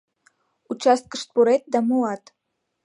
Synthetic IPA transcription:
ut͡ɕast̪̚kəʂt̪̚puɾet̪̚d̪amuɑt̪

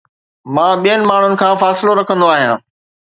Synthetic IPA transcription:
mãːɓijənɪ̆maːɳ̤ʊnɪ̆kʰãːfaːsɪloɾɐkʰə̃nd̪oaːɦijãː

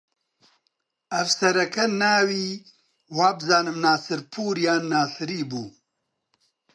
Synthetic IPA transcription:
ɐfsɐɾɐkɐnaːwiː | waːbzaːnɐmnaːsɪɾpʰuːɾjaːnːaːsiɾiːbuː

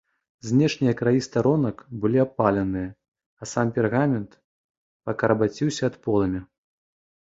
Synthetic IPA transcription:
zʲnʲɛʂnʲijɐkɾajist̪aɾɔnɐkbɨlʲiapːalʲɐnɨjɐ | ɐsampʲɛrɣamʲɛnt̪ | pɐkɐɾɐbat͡sʲiwsʲɐːt̪pɔlˠɐmʲi

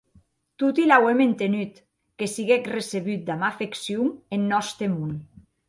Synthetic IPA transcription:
t̪ut̪ilawement̪enyt̪ | kesiɣekreseβyt̪̚d̪amafeksjumenːɔst̪ɾemun

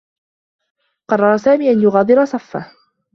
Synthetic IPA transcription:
qɑrˤːɑɾˤɑsaːmiːʔanjʊɣɑːd̪ˤɨɾɑsˤɑfːa

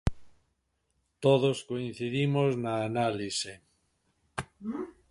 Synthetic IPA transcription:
t̪oðoskoin̟θiðimoznaːnalise

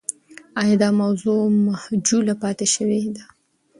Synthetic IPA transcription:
ɑjd̪ɑmawzomahd͡ʒulapɑt̪eʃəwed̪a

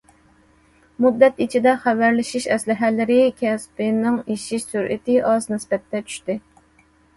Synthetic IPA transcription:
mud̪ːɛt̪it͡ʃʰid̪ɛχævæɾlɪʃiʃɛslɪɦælːɪɾɪkʲʰɛspɪnːɪŋiʃiʃsyɾʔɪ̰t̪ɪʔɑznɪsbɛt̪ːɛt͡ʃʰy̥ʃt̪ɪ

